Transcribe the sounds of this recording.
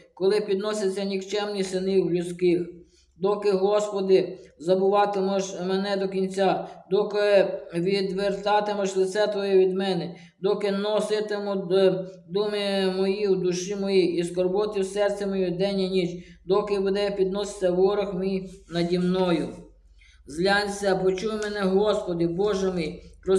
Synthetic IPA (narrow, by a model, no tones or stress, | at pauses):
kɔlˠɪpʲid̪nɔsʲɐt͡sʲːɐnʲikt͡ʃɛmnʲisɪniwlʲʊsʲkɪx | d̪ɔkɪɦɔspɔd̪ɪzɐbʊʋɑt̪ɪmɔʒmɛnɛd̪ɔkʲinʲt͡sʲad̪ɔkɪʋʲid̪ʋert̪ɑt̪emɔʃlˠɪt̪sɛt̪ʋɔjɛʋʲid̪mɛnɛ | d̪ɔkɪnɔsɪt̪emɔɔd̪ɔmɪmɔjiwd̪ʊʃɪmɔjiʔiskɔrbɔt̪ʲɪwsɛrt̪sʲɛmɔjɛd̪ɛnʲɐnʲit͡ʃd̪ɔkɪbʊd̪ɛpʲid̪̚nɔsɪ̥t͡s̪ʲːɐwɔɾɐxmijnɐdʲimnɔjʊ | zlʲɑnʲsʲɛpɔt͡ʃujmenɛɦɔspɔd̪ɪbɔʒemijpɾɔ